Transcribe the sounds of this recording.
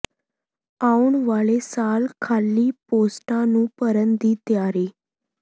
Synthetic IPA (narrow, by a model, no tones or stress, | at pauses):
auɳʋaɭesalkʰalːiːposʈãnũːpəɾənd̪iːt̪jaɾiː